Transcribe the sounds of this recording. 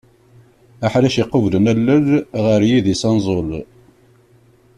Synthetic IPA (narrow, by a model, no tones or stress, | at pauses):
æħlæʃiqːəvlənælːəlʁəɾjiðisɑnzˤol